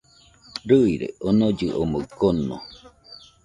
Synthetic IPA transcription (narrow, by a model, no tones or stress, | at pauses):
ɾɨiɾḛonod͡ʒɨʔomokono̰